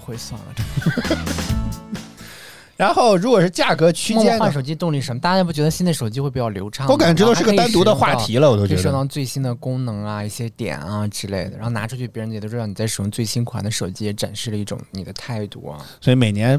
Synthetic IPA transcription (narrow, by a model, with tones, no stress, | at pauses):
xwe˥ɪswa̰˥˩ŋ̰˩ | ɻa˧˥nxo˥˩ʊɻu˧˥kwɔ˨˩ʂɻ̩˥˧t͡ɕja˥˩kɤ˧˥t͡ɕʰy˥˧jɛ˥nxa˥˧nʂo˨˩ʊt͡ɕi˥t̪ʊ˥˧ŋli˥˩ʂə˧˥mə˧a˥˩˥a˥pt͡ɕɥɛ˧˥d̪ɕnt͡s̪ɪʂo˨˩t͡ɕi˥xwe˥˩pu˨˩jɑ˥˩ʊljo˧˥ʊʈ͡ʂʰɑ˥ŋwɔ˧ka˨˩˥ʈ͡ʂ̪ɑ˥˧˥ɻ̩˥ɡə˥t̪a˥nt̪̬u˧˥˧d̪ə˧˥xwa˥˧˥tʰi˧˥lə˧wɔ˨˩t̪o˥˧˥ʂɑ˧˥t͡swe˥˩ɪɕi˥nd̪ə˨kʊ˥ŋnɤ˧˥ŋɐ˧i˥˩ɕjɛ˥t̪jɛ̰˨˩nɐ˧ʈ͡ʂɻ̩˥le˥˩ɪd̪ə˩ɻxna˧˥ʈ͡ʂʰu˥t͡ɕʰy˥˩pjɛ˧˥ɻnj̪o˥ɑ˥˩n˨˩t͡sa˥˩ɪʂ̩˧˩jʊ˥ŋt͡swe˥˩ɪɕi˥nkʰwa̰˧˥nd̪ə˧ʂo˨˩ʊt͡ɕi˥jɛ˧˥ʈ͡ʂa̰˨˩nʂɻ̩˥˩lə˩i˥˩ʈ͡ʂʊ̰˨˧˥ŋni˨˩d̪ə˦t̪ʰa˥˧ɪt̪ṵ˥˩ɐ̰˩swɔ˧˥i˧˥me˨˩ɪnjɛ˧˥n